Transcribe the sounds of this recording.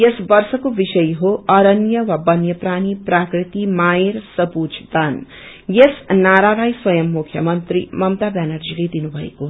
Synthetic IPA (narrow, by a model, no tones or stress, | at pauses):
jesbʌrsʌkobisʌjɦoʌɾʌnjʌwabʌnjʌpɾaniprakrit̪imaeɾsʌbud͡ʒʰd̪an | jesnaɾaɾʌjswʌjʌmːukʰjʌmʌnt̪ɾḭmʌmt̪abanʌrd͡ziled̪inubʱʌḛko